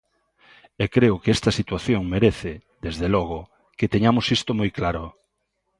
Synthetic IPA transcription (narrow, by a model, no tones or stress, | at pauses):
ekɾeʊkeɛst̪ɐsit̪waθjoŋmeɾeθɪd̪ezðelɔɣ̞ʊ | ket̪eɲamosist̪omojklaɾo